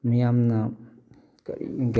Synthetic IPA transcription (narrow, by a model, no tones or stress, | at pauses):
nijamna | kḭɡ